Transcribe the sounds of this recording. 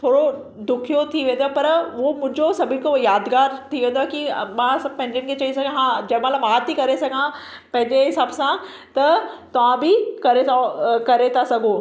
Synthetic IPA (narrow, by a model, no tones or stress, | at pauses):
t̪ʰoːɽo | d̪ʊkʰijot̪ʰiʋẽːnd̪oapɐɾʋomʊ̃ɦɪ̃ɲd͡ʑosɐbʱɪnkʰojaːd̪ɡaːɾt̪ʰiʋẽːnd̪oakimãsãpɐ̃ɦɪ̃ɲd͡ʑənkʰeːt͡ɕɐĩsãɡãɦãd͡ʑɐmãlamaːt̪ikɐɾesɐɡʱã | pɐ̃ɦɪ̃ɲd͡ʑeɦɪsaːbsã | t̪ɐt̪ɐʋ̤ãbɪkɐɾekɐɾet̪ʰasɐɡʱo